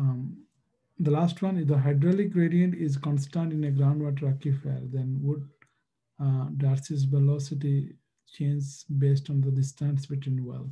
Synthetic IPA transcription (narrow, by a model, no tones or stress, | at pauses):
d̪əlaːsʈʋʌ̃nɪd̪əɦaɪɖɾɔːliɡɾeːɖiə̃ɳʈɪzkɔ̃nsʈãɳɖɪ̃neɡɾãʊ̃ɳɖʋɔːʈ̬əɾakifḛːɾd̪ɛ̃nʋʊɖ̚ | ɖaːɾsis̬ʋɛlɔːsɪʈi | t͡ʃẽːnd͡ʒbeːsʈɔ̃nd̪əɖɪsʈæ̃nsbɪʈwĩːnʋɛ̰lt̪